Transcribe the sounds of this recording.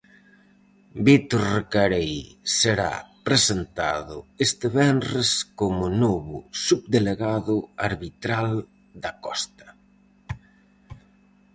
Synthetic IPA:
bit̪oɾrekaɾejseɾa̰pɾesent̪a̰ðʊest̪eβɛnreskomʊnoβʊsuβd̪eleɣaðʊaɾβit̪ɾal | d̪akɔst̪ɐ̥

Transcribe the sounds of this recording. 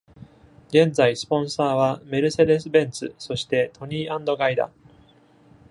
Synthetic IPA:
ɡẽ̞nd͡zaisɨ̥põ̞ɰ̃saːβame̞ɾɯ̟se̞d̪e̞sɨbẽ̞nt͡sɨ̰so̞ɕi̥t̪e̞t̪ʰo̞ɲ̟iːãnd̪o̞ɡaid̪a̰

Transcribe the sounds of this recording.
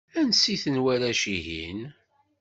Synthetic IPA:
ænsiθənwæɾæʃiɦḭn

